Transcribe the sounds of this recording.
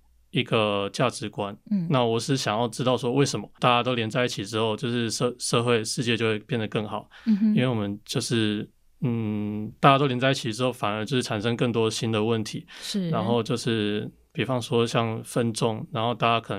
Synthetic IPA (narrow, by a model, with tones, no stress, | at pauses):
i˧˥ɡə˧t͡ɕja˥˩ʈ͡ʂɻ̩˧˥kwa˦nna˥˩wɔ˨˩ʂ̩˥ɕjɑ˨˩ŋjɑ˥˩ʊʈ͡ʂɻ̩˥t̪ɑ˥˩ʊʂwɔ˥we˥˩ɪʂə˧˥nmɐ˦t̪a˥˨˩t͡ɕja˥t̪o˥ʊljɛ˧˥nt͡sa˥˧ɪi˥˩t͡ɕʰi˨˩ʈ͡ʂɻ̩˥xo˥˧ʊt͡ɕjo˥˧ʊʂɻ̩˥˧ʂʂɤ˥˧xwe˥˧ɪʂɻ̩˥˧t͡ɕjɛ˥˧t͡ɕjo˥˧xwe˥˧ɪpjɛ˥˩nd̪ə˩kɤ˥˩ŋxɑ˨˩˦ʊi˥nwe˥˩ɪwɔ˨˩mə˦nt͡ɕjo˥˧ʊʂɻ̩˥˩ | n̩˥˩t̪a˥˩t͡ɕja˥o˥ljɛ˧˥nt͡sa˥˧ɪi˥˩t͡ɕʰi˨˩ʈ͡ʂɻ̩˥xo˥˩ʊfa˨˩nə˞˧˥t͡ɕo˥˧ʊʂɻ̩ʰ˥˩a˨˩nʂ̬ɤ˥ŋkə˥˩ŋt̪̬wɔ˥ɕi˥nd̪ə˨wə˥˩nt̪ʰḭ˧˥˦ɻa˧˥nxo˥˧ʊt͡ɕjo˥˧ʊʂɻ̩˥˩ | pi˨˩fɑ˧˦ŋʂwɔ˥ɕjɑ˥˧ŋfə˥nʈ͡ʂʊ˥˩ŋɻa˧˥nxo˥˧ʊt̪a˥˩t͡ɕja˥kʰɤ˨˩nə˦